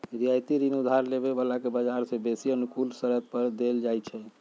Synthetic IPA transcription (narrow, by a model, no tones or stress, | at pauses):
ɾijajt̪iɾinud̪ʱaɾlebebəlakebəd͡ʒaɾsẽbesiənukulsəɾət̪̚pəɾd̪eld͡ʒajt͡ʃʰɛ